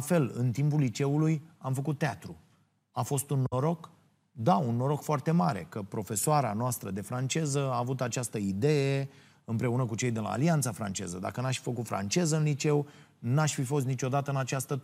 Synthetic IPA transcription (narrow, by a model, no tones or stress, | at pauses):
fe̞lɨ̰nt̪impulːit͡ʃe̞ulujamfəkut̪ːeat̪ɾu | afo̞st̪unːo̞ɾo̞k | d̪aunːo̞ɾo̞kfoart̪e̞maɾe̞̰kəpɾo̞fe̞soaɾa̰noast̪ɾəd̪e̞fɾant͡ʃe̞zəaːvut̪at͡ʃast̪əid̪e̞je | ɨmpɾe̞unəkut͡ʃe̞jd̪ela̰ːliant̪safɾa̰nt͡ʃe̞̰zəd̪a̰kənaʃfi̥fəkut̪fɾa̰nt͡ʃe̞zəɨnlit͡ʃe̞w | naʃfifo̞s̬t̪nit͡ʃo̞d̪at̪əɨnat͡ʃast̪ə